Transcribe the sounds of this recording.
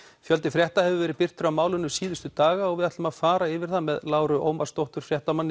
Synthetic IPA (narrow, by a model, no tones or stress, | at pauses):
fjœlt̪ɪfɾjɛht̪ahɛvʏvɛːɾɪðpɪr̥t̪ʏɾawmaːwlʏnːʏsiːðʏst̪ʏt̪aːɣaɔɣvɪðaht̪maðfaːɾaɪvɪɾ̥θaðmɛðlaːwɾʏʔo̰wmast̪owht̪ʏɾ̥fɾjɛht̪amanːɪ